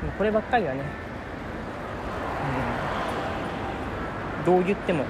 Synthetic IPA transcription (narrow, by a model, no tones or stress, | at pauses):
mako̞ɾe̞bakːaɾʲijane̞ | ɯ̟̃ | d̪o̞ːjɯ̟t̪ːe̞mo̞